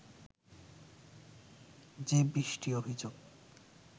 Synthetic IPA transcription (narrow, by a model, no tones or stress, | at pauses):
d͡ʑebɾiʃʈiobʱid͡ʑoɡ